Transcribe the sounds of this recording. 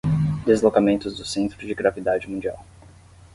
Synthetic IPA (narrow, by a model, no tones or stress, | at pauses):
d̪ezlokamẽnt̪ʊzd̪ʊsẽnt̪ɾʊd͡ʒɪɡɾavid̪ad͡ʒɪmũd͡ʒia̰w